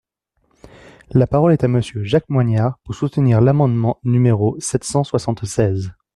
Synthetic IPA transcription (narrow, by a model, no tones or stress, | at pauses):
lapaʁɔlɛt̪aməsjøʒak̚mwaɲaʁpuʁsut̪niʁlamɑ̃d̪mɑ̃nymeʁosɛt̪sɑ̃swasɑ̃t̪sɛz